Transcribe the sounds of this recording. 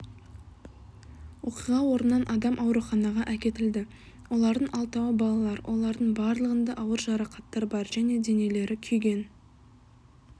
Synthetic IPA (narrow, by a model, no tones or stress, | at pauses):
wo̞qijʁɑwo̞ɾənːɑnʔɑd̪ɑmʔɑwɾuχɑnɑʁɑʔækʲe̞t̪ɪld̪ɪ | wo̞lˠɑɾd̪əɴɑlˠt̪ɑwəbɑlˠɑlˠɑɾwʔo̞̰lˠɑɾd̪əɴbɑɾlˠəʁənd̪ɑʔɑwəɾʒɑɾɑqɑt̪ːɑɾbɑɾʒæne̞d̪e̞ne̞le̞ɾɪkʲʰʏjɡʲe̞n